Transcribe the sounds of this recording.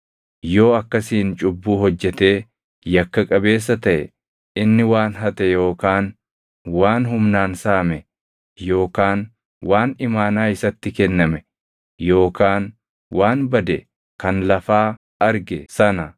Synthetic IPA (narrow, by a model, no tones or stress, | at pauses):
jo̞ːɐkːɐsiːnt͡ʃʼʊbːuːɦɔd͡ʒːɛt̪e̞ː | jɐkːɐkʼɐbe̞ːs̬ːɐt̪ɐʔɛ̰ | ɪnːɪwaːnɦɐt̪ɛjo̞ːkaːn | waːnɦʊmnaːnsaːmɛ | jo̞ːkaːn | waːnɪmaːnaːɪsɐt̪ːɪkɛnːɐmɛ | jo̞ːkaːn | waːnbɐd̪ɛ | kɐnlɐfaː | ɐɾɡɛsɐnɐ